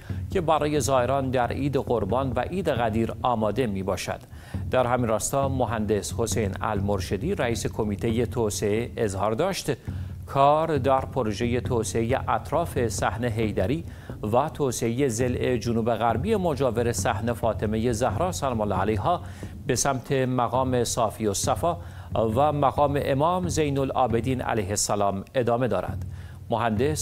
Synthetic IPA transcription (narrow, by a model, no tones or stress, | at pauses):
cʰe̞bæɾɒːje̞zɒːe̞ɾɒːnd̪æɾiːd̪eɣoɾbɒːnvæʔiːd̪e̞ɣæd̪iːɾɒːmɒːd̪e̞miːbɒːʃæ̰d̪̥ | d̪æɾɦæminrɒːst̪ɒːmoɦænd̪e̞sho̞sejnæ̰lmoɾʃed̪iːɾæiːse̞kʰo̞miːt̪ʰe̞je̞t̪ʰoːseeezhɒːɾd̪ɒːʃt̪kʰɒːɾd̪æɾpʰoɾoʒe̞je̞t̪ʰoːseeje̞̰ʔæt̪ʰɾɒːfe̞sæhne̞ɦe̞jd̪æɾiː | væt̪ʰoːseeje̞ze̞le̞d͡ʒonuːbe̞ɣæɾbije̞mo̞d͡ʒɒːve̞ɾe̞sæhne̞fɒːt̪ʰe̞me̞je̞zæhɾɒːsælɒːmolːɒːælejɦɒː | be̞sæmt̪ʰe̞mæɣɒːme̞sɒːfiːosæfɒː | væmæɣɒːme̞̰ʔemɒːmzejnolɒ̰ːbe̞d̪iːnæ̰læjhe̞sːælɒːme̞d̪ɒːme̞d̪ɒːɾæ̰d̪̥ | moɦænd̪e̞s